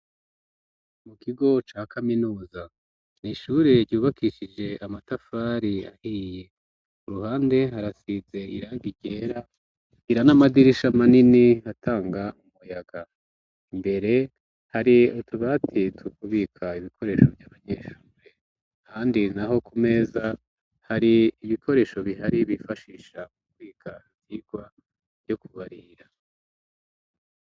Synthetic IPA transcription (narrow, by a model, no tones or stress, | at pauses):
mukʰiɡo̞t͡ʃaːkʰaminuːza | niʃuːɾe̞ɾɟuːβakʰiʃid͡ʒe̞ʔamatafaɾia̰hiːje̞ | uɾuɦaːnde̞ɦaɾasize̞ḭɾaɡiɟe̞ɾa | iɾanamadiɾiʃamaniniatʰaːŋɡaumujaɡ̥a | imbe̞ɾe̞ | haɾiotuβatʰitʰukuβikʰaiβikʰo̞ɾe̞ːʃo̞vjaːβaɲeːʃuːɾe̞ | kaːndinaɦo̞kʰume̞ːza | haɾiːβikʰo̞ɾe̞ːʃo̞βiɦaɾiβifaʃiʃamukuβiːkʰa | ziɡwa | v̥jo̞kuβaɾiɾa